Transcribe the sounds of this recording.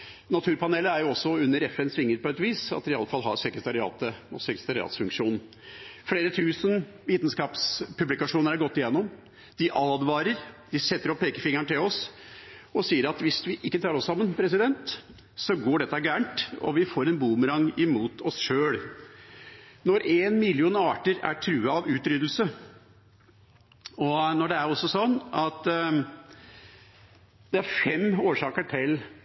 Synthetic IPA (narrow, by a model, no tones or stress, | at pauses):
nɑt̪ʰʉːɾpɑneːləæɾjʊɔsːɔʉnːəɾɛfɛnsʋɪŋːəɾpɔɛt̪ʋiːsɑ̰t̪ʋɪɑlːəfɑlɦɑɾsɛkɾət̪ʰɑɾɪɑ̰ːt̪əɔsɛkɾə̥t̪ʰɑɾɪɑ̰ːt̪sfʉŋkʂuːn | fɽeːɾət̪ʰʉːsən | ʋiːt̪ən̩skɑːpspʰʉblɪkɑʂuːnəɾæɾɡɔt̪ːɪjɛnːɔm | d̪̥ɪʔɑːd̪ʋɑːɾəɾd̪̥ɪsɛt̪ːəɾɔpʰːeːkəfɪŋːɑɳʈ̪ɪlɔs | ɔsiːəɾɑt̪ʋɪsʋɪʔɪkːət̪ʰɑːɾɔsːɑmːənpʰɾɛsɪd̪ɛnt̪ | sɔɡoːɖɛt̪ːɑɡæːɳʈɔ̰ʋɪfoːɾɛnbuːməɾɑŋɪmuːt̪ʰɔsʃøːɽ | nɔɾʔeːnmɪlɪuːnɑːʈəɾæ̰ʈʰɾʉːəɑʋʉːt̪ɾʏd̪əl̩sə | ɔnɔɖɛæɾɔsːɔsɔnːɑt̪ | d̪̥ɛæɾfɛmoːʂɑːkəʈʰɪl